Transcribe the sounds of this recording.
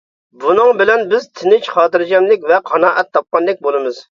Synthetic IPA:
bunɨŋbɪlɛnbɪzt̪ʰɪnɪt͡ʃχɑːt̪ɨɾd͡ʒʲɛmlɪkʲvɛqʰɑnɑːʔɛt̪ʰːɑp̚qɑnd̪ɪk̚ʲbolˠɨmɨz̥

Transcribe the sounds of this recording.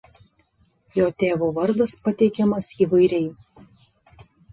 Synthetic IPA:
joːt̪ʲeːʋoʋɐɾd̪ɐspɐt̪ʲɛɪkʲɛmɐsiːʋɐɪɾʲɛɪ

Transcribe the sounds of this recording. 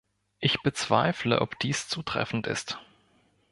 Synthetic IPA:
ʔɪçb̥ət͡sv̥a̰ɪfləʔɔpd̥iːst͡suːtʁ̥ɛ̰fn̩tɪ̰st

